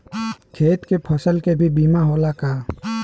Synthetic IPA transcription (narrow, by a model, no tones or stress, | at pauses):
kʰeːt̪kepʰəsəlkebʱibiːmaɦoːlakaː